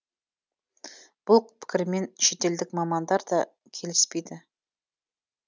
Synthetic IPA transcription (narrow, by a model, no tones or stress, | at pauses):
b̥ʊlˠpʰɪ̥kʲɪɾme̞nʃe̞t̪e̞ld̪ɪkmɑmɑnd̪ɑɾd̪ɑ | kʲʰe̞lɪspe̞jd̪ɪ